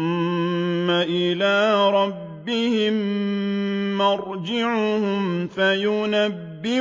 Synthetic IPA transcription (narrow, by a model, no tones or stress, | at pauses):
aʔɪlaːɾˤɑbːɪhɪmː | ɑɾd͡ʒɪʕʊhʊmfajʊnabːɪ